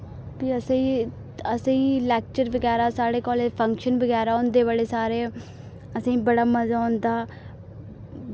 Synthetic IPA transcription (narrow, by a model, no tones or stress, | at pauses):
biːəsĩ | əsĩːlɛːk̚t͡ʃəɾʋəɡɛːɾaːsaːɽeːkɔːleːpʰəŋkʃənbəɡɛːɾaːõnd̪eːʋaleːsaːɾeː | əsĩːbəɽaːməzaːõːnd̪aː